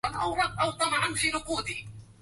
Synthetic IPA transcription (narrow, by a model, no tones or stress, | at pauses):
ɑnʔawɾˤɑd̪ʔawt̪ˤɑmʕɑnfiːɾʊquːd̪i